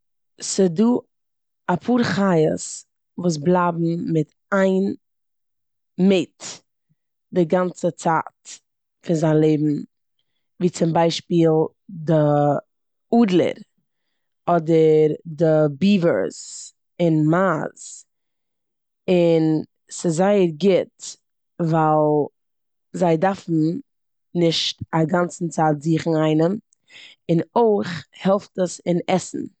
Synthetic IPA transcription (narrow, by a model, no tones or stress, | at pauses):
sɪduː | apʰuːɾχajə̰s | vuːs̬blˠabm̩mɪt | aɪn | mɪt | dɪɡant͡sət͡sa̰ːt | fɪnzaɪnlˠeɪbm̩ | viːt͡sɪmbaɪʃpiːlˠ | də | uːdlˠə̰ɾ | ɔdəɾdɪbiːvə̰ɾz | ɪnmaz̥ | ɪn | sɪzaɪəɾɡɪt | valˠ | zaɪdafn̩ | nɪʃtaɡant͡sn̩t͡saːtziːχn̩aɪnəm | ɪnoɪχhɛlˠftəsɪnɛsn̩